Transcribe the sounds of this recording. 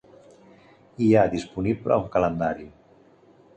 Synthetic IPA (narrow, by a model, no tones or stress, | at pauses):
iad̪ispuniplə̰uŋkələnd̪aɾi